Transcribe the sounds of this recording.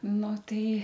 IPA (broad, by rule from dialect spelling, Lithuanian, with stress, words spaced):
ˈnʊ ˈtɐɪ